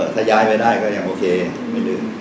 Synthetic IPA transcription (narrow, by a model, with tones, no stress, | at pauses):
t̪t̪ʰa˧˩jaː˧jpa˧jdaː˥˩jkɔː˥˩ja˧ŋʔoː˧kʰeː˧ | ma˥˩lɯː˧˩m